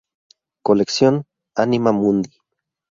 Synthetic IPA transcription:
koleksjon | animamund̪i

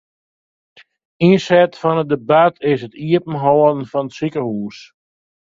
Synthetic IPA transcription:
insɛtfɔnədəbatʰɪsətiəpn̩ɦɔːdən̩fɔnətsikəhuːs

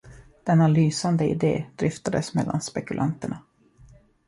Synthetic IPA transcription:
d̪̥ɛnːalyːsand̪əɪ̰d̪ḛːd̪̥ɾɪft̪ad̪əsmɛlːa̰nspɛkɵlʔa̰nt̪əɳa

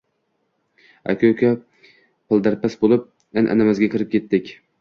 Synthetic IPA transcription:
a̰kʲʰokʲʰa | pʰɪlˠd̪aɾpasbolˠɪp̚ | anʔa̰namazɡʲakʲʰɪɾɪp̚kʲʰe̞t̪ːɪkʲ

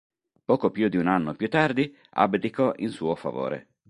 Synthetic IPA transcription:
pɔːkopjud̪iunanːopjut̪ːard̪i | a̰bd̪ikɔʔinsuːofa̰vo̰ːɾḛ

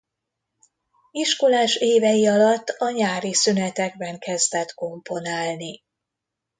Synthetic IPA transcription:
iʃkolaːʃeːvɛjiɒlɒt̪ːɒɲaːɾisynɛt̪ɛɡ̚bɛŋkɛzd̪ɛt̪ko̞mpo̞naːlni

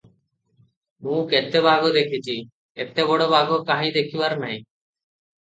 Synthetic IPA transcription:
mũket̪ːebʱaɡod̪ekʰit͡ɕʰi | et̪ːebɔɽobaɡokaɦĩd̪ekʰibaɾnaj̃

